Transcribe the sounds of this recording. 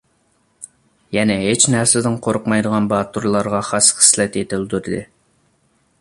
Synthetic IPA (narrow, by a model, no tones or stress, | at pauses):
jɛnɛɦet͡ʃnæɾsɪd̪ɪŋqʰoɾʊqmɑjd̪əʁɑnbɑt̪uɾlˠɑɾʁɑχɑsχə̥slɛt̪et̪ɪld̪yɾɪd̪ɨ̰